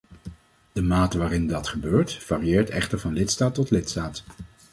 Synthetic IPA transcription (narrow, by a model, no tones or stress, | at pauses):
d̥əmaːtəʋaːɾɪndɑtχəbøːɹtv̥aːriɪːɹtɛχtəɹvɑnlɪtstaːtːɔtlɪtstaːt